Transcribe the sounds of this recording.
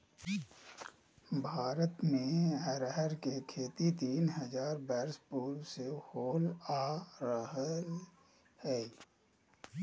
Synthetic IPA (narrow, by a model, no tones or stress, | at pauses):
bʱaːɾət̪mẽɛɾəɦəɾkekʰeːt̪it̪iːnɦəzaːɾbɛːɾspuːɾwsehoːlaːɾəɦəl | hɛː